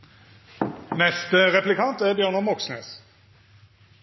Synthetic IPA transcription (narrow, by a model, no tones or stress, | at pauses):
nɛst̪əʁɛplɪkʰɑnt̪æbjøːnəmɔksnḛːs